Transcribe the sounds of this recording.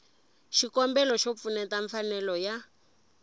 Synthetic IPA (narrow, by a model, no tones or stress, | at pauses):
ʃikɔmbɛlɔʃop̪funɛtaɱfanɛlɔja